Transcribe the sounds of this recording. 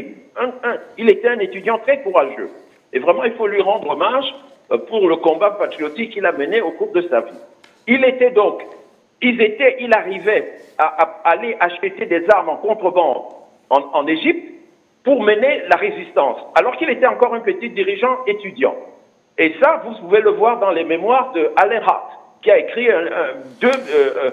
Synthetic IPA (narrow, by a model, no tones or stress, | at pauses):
ilet̪ɛɛ̃net̪yd̪jɑ̃t̪χɛkuʁaʒø̰ | evʁɛmɑ̃ilfolɥiʁɑ̃d̪ʁɔmaʒ | puʁləkɔ̃bapat̪χiot̪ikːilaməneokuʁd̪əsavi | ilet̪ɛd̪ɔ̃k | ilzet̪ɛʔilaʁivɛaʔaːleʔaʃət̪ed̪ɛzaʁmɑ̃kɔ̃t̪χəbɑ̃ | ɑ̃ɑ̃neʒip̚t̪ | puʁmənelaʁezist̪ɑ̃salɔʁkilet̪ɛɑ̃kɔʁỹnpət̪it̪̚d̪iʁiʒɑ̃et̪yd̪jɑ̰̃ | esavupuveləvwaʁd̪ɑ̃lememwaʁd̪əalɛ̃ʁa̰ʁt̪ | kʲiaekχiɛ̃ɛ̃d̪ø